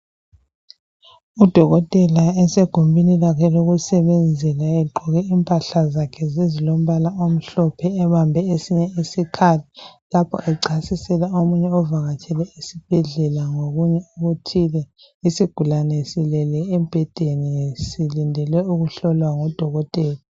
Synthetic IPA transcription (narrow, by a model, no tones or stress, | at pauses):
ud̥ʱɔɣɔtʼɛlaɛseɡ̥ʱumbʱinilakʰɛloɣusɛβend͡zʱɛlaɛɡ͡ǃʱɔɣiimpʼaɬazakʰɛzizilom̩βalaom̩ɬɔpʰɛːβambʱɛesiɲɛisikʰali | lapʰɔ̰ʔɛǀasisɛlaomuɲɛɔvaɣatʰɛlɛisib̥ʱɛɮɛlaŋoɣuɲɛuɣutʰilɛ | isiɡ̥ʱulanɛsilɛlɛːmb̥ʱɛd̥ʱenisilindʱɛlwɛuɣuɬɔlwaŋɔd̥ʱɔɣɔtʼɛːla